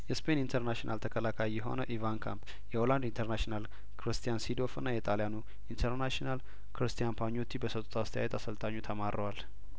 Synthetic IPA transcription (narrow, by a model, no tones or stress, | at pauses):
jɛspʰenint̪ʰəɾnaʃinʔalt̪ʰəkʰəlakʰajːɛɦo̞̰nəʔivankʰa̰mpʰ | jɛoland̪int̪ʰəɾnaʃinal | kʰɾɨst̪ʰijansid̪o̞fɨnːajɛt̪ʼalijanu | int̪ʰəɾnaʃinal | kʰɨɾɨst̪ʰijanpʰaɲːot̪ʰːibəsət̪ʼut̪ʰast̪ʰja̰jɛt̪ʰasəlt̪ʼaɲːut̪ʰəmaɾəwal